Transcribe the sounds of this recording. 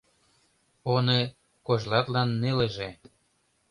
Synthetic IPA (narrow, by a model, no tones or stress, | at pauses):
one | koʒlɑt̪lɑnːeleʒe